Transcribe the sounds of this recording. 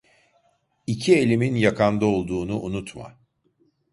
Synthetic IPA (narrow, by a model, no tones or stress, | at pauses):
icʰie̞lʲiminjakʰand̪ao̞lˠd̪uːnuʔunut̪ma̰